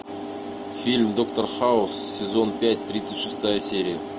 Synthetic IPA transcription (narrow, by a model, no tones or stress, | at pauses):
fʲilʲmd̪o̞kt̪orχaʊssʲɪzo̞npʲæt̚ʲt̪ɾʲit̪sɨtʲʂɨst̪ajəsʲeɾʲɪjə